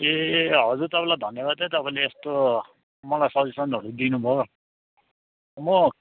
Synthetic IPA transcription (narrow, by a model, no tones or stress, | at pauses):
eɦʌd͡zurt̪ʌpãlajd̪ʱʌnjʌbad̪̚t͡sʌ̃j̃t̪ʌpãleːst̪o | mʌlajsʌd͡zisʌnɦʌɾud̪inubʱʌo | mʌ